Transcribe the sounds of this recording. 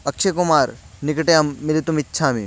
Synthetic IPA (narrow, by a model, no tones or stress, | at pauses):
ɐk̚t͡ʃʰekumaːɾnɪkʈeɐmːilit̪umɪtːʃʰaːmḭ